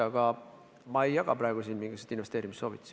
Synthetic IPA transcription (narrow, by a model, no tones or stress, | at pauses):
ɑɡ̥ɑ | mɑe̞jːɑɡ̥ɑpɾɑeɡ̥usiːnmiŋɡ̥iset̪ːinve̞st̪eːɾimist̪so̞ːvit̪ːˑs